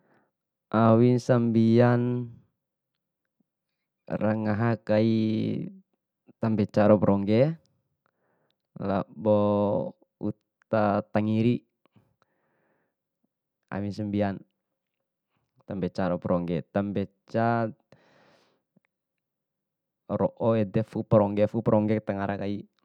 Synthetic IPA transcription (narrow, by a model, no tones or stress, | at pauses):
ʔawinsambian | ɾaŋaɦakai | t̪ambɛt͡ʃaɾɔpɾɔŋɡɛ | labɔ | ut̪at̪aŋiɾi | a̰misəmbian | t̪ambɛt͡ʃaɾɔpɾʔɔŋɡɛt̪ambɛt͡ʃa | ɾɔʔɔɛdɛfupɾɔŋɡɛfupɾʔɔŋɡɛkt̪aŋaɾʔakai